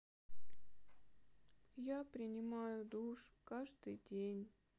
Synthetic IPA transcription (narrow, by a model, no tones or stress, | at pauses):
japɾʲɪnʲɪmajʊd̪uʂkaʐd̪ɨjdʲenʲ